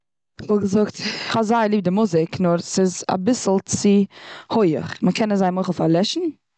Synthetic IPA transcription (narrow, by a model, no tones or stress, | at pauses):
vɔlɡəzʊktχɔzaɪlˠiːb̚dɪmʊzɪknɔɾsɪza̰bɪsl̩ˠt͡sɪhoɪə̰χməkʰɛnəzaɪmoɪχl̩ˠfaɾlˠɛʃn̩